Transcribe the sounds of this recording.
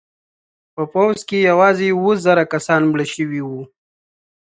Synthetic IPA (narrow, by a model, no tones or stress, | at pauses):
pəpawzkejawɑzewozaɾakasɑnmɽəʃəwiwu